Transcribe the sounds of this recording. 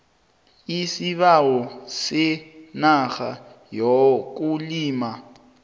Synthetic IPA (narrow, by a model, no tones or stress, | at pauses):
isiβawɔsɪnaxa | jɔk̬ʼuliːma